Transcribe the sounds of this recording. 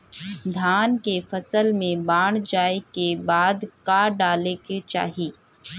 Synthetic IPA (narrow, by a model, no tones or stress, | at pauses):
d̪ʱaːnkefɐsəlmẽbaːɽ̃d͡ʒaːekebaːd̪kaːɖaːleket͡ʃa̰ːɦiː